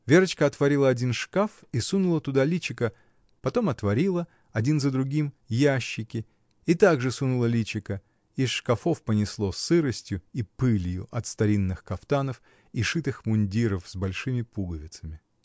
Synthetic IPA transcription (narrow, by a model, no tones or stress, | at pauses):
vʲeɾət͡ɕkəɐt̪vɐɾʲilˠəɐdʲinʂkafisunʊlˠət̪ʊd̪alʲit͡ɕɪkə | pɐt̪o̞mɐt̪vɐɾʲilˠə | ɐdʲinzəd̪ɾʊɡʲim | jaɕːɪkʲɪ | it̪aɡʐɨsunʊlˠəlʲit͡ɕɪkə | iʂkɐfo̞fpənʲɪslˠo̞sɨɾəsʲtʲjʊipɨlʲjʊ̰ʔɐt̪st̪ɐɾʲinːɨxkɐft̪anəf | iʂɨt̪ɨxmʊnʲdʲiɾəfzbɐlʲʂɨmʲɪpuɡəvʲɪt̪səmʲɪ